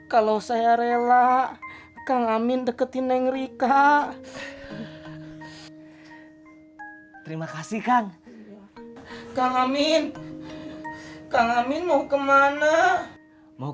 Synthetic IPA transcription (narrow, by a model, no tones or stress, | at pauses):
kalosajaɾela | kaŋamɪndəkət̪inɛŋɾika | t̪əɾimakasihkaŋ | kaŋamɪn | kaŋamɪnmaukəmana | ma